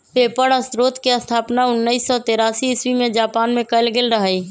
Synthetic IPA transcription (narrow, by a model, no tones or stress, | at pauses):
peːpəɽəst̪ɾoːt̪kiɐst̪ʰaːpnaʊnːəisːɔt̪eːɾaːsiɪswimẽd͡ʒaːpaːnmẽkəlɡɪlɾəɦai